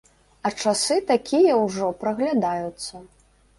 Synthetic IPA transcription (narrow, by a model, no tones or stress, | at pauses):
ɐt͡ʂasɨt̪akʲʰijɐwʐɔpɾɐɣlʲad̪ajut̪sːɐ